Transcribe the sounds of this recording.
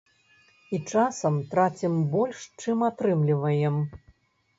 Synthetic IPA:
it͡ʂasɐmt̪ɾat͡sʲimbɔlʲʂt͡ʂɨmat̪ɾɨmlʲivɐjɛm

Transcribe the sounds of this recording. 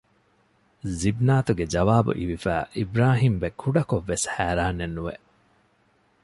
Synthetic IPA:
zibnaːt̪uɡed͡ʒɐʋaːbṵʔiʋifæ̰ːʔibɾaːɦimbekʰuɖɐkoʋːeshæːɾaːnenːuʋḛʔ

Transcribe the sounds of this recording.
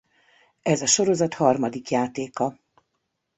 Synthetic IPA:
ɛzɒʃo̞ɾo̞zɒt̪hɒrmɒd̪ikjaːt̪eːkɒ

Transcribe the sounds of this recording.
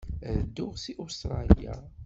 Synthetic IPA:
ðd̪ːʊʁsiʔʊst̪ɾˤɑlija̰

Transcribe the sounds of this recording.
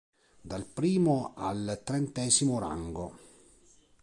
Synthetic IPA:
d̪alpɾiːmoalt̪ɾɛnt̪ɛːzimoɾa̰ŋɡo

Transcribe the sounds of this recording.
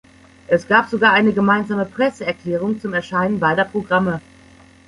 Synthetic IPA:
ʔɛsɡ̥aːpz̥oɡaːɐʔaɪnəɡəmaɪnzaːməpʁ̥ɛsəɛɐkl̥ɛːʁ̞ʊŋt͡sʊmɛɐʃaɪnənbaɪdɐpʁ̥oɡʁamə

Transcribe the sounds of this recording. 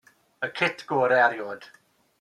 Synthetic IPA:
əkʰɪtʰɡ̥oːɾɛɾjoːd̥

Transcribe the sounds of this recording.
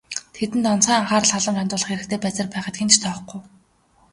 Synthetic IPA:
t̪ʰet̪ɘ̆nt̪ɔnt͡sχaːŋaχaːɾə̆ɮχaɮə̆mramʲt̪ʊːɮə̆χeɾɘ̆kt̪ʰeːpæt͡sɘ̆rpæːχə̆t̪xʰent͡ɕt̪ʰɔːχɡʊ̆j

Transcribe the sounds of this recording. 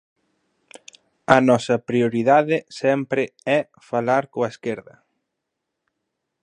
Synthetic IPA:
ɐnɔsɐpɾioɾiðaðɪsɛmpɾɪɛ | falaɾkoɐeskeɾðɐ

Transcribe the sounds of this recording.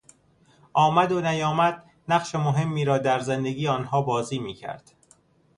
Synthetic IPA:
ʔɒːmæd̪onæjɒːmæd̪̚ | næɢʃemoɦe̞mːiːɾɒːd̪æɾzend̪e̞ɡʲiːɒːnɦɒːbɒːziːmiːcʰæ̰ɾd̪̥

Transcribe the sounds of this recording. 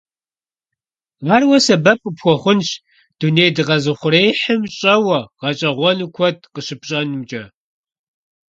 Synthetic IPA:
ʁarwɐsɐbɐpʼupxʷɔχʷʊnʃ | d̥uneːjdɨʁɐzɨχʷʊɾejħəmɕʼɐwɐʁɐt͡ʃʼɐʁʷɔnukʷʰɔd̚qəɕɪpɕʼɐnmt͡ʃʼɐ

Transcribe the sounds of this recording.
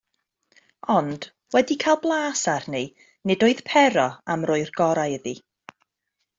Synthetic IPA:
ɔnd̥ | wɛdikʰajlˠblˠaːsarni | nɨdoːɨð̥pʰɛɾɔamrʊɨrɡ̥ɔɾajəði

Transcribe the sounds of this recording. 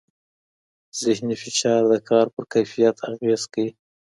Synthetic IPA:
z̥ɪhnifit͡ʃɑɾd̪əkʰɑɾpəɾkajfijat̪ʰaɣez̥kawi

